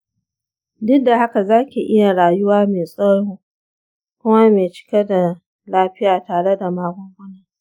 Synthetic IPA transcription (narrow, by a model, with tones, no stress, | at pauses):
dɪ˦k̚da˨ha˦ka˨zaː˦kʲi˨ʔɪ˦ja˨ɽaː˨jʊ˦waː˦meː˨sʼɔ˦ɽoː˦ | kʷʊ˦ma˦meː˨t͡ʃɪ̥˦ke˦da˨ | laː˦ɸɪ˦jaː˨taː˨ɽe˦da˨maː˦ɡʷɔ˦ŋɡʷʊ˦na˦